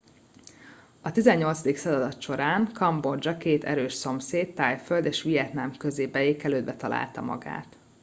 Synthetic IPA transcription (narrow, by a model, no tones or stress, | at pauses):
ɒt̪izɛɲːo̞lt̪sɒd̪iksɒzɒd̪ɒt̪ʃo̞ɾaːŋkɒmbord͡ʒɒkeːt̪ɛ̰ɾøːʃso̞mseːt̪ːaːjføld̪eːʃʋijɛt̪namkø̞zeːbɛjeːkɛløːd̪bɛt̪ɒla̰ːlt̪ɒmɒ̰ɡa̰ːt̪